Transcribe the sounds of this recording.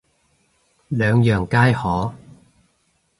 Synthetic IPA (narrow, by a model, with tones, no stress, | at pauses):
lœː˨˧ŋjœː˨˩ŋkaː˥jhɔː˨˥